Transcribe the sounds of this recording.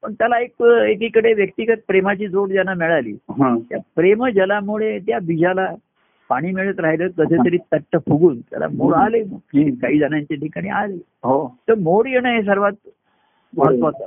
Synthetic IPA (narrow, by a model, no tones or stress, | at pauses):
pəɳt̪jalaekekikəɽeʋjək̚t̪iɡət̪̚pɾemat͡ɕiːd͡zoɽd͡ʑjanamɛɭalḭːɦãt̪japɾeməd͡ʑəlamuɭet̪jabid͡ʑʱala | paɽ̃iːmeɭət̪ɾaɦjləːkəd̪ʰʱet̪əɾiːt̪əʈːəpuɡuːnt̪ja̰la̰moɽalekaɦiːd͡zanaɲt͡ɕeʈikaɽ̃ḭːale | ɦot̪əɾmoɽjenəɦes̬əɾʋat̪̚ | mɔɾət̪ʋot̪ə